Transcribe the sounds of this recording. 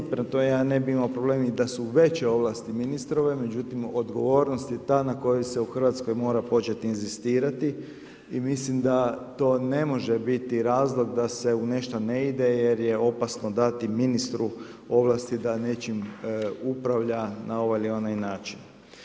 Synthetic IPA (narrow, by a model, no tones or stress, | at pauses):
pent̪omejaːne̞biimaopɾoble̞ːmid̪asuʋe̞t͡ʃeo̞ʋlˠast̪iminist̪ɾo̞ʋe̞me̞d͡ʑut̪imo̞d̪ɡo̞ʋo̞ːɾnost̪jet̪aːnako̞jese̞uxr̩ʋat̪sko̞jmo̞ːɾapo̞t͡ʃe̞t̪iːnzist̪iːɾat̪i | imislimd̪at̪o̞ːne̞mo̞ʒebit̪iɾaːzlˠo̞ɡd̪ase̞une̞ʃt̪oneid̪e̞je̞ɾje̞o̞pasnod̪at̪iminist̪ɾu | o̞ʋlˠast̪id̪ane̞t͡ʃimupɾaʋʎanao̞ʋajilio̞najnaːt͡ʃin